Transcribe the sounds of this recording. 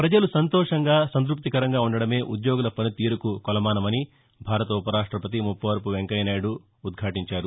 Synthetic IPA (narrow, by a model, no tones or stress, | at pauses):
pɾɐd͡ʒɐlusɐnt̪ɔːʂɐŋɡaːsɐnt̪̬ɾup̚t̪ikɐɾɐŋɡaːuɳɖɐɽɐme̞ːʔud̪joːɡulɐpʰɐnut̪iːɾukukɔlɐmaːnɐmɐni | bʱaːɾɐt̪ɐupɐɾaːʂʈɾɐpɐt̪̬imupːɐʋɐɾpuʋeŋkɐjnaːjɽuː | d̪̚ɡʱaːʈiɲt͡ʃaːɾu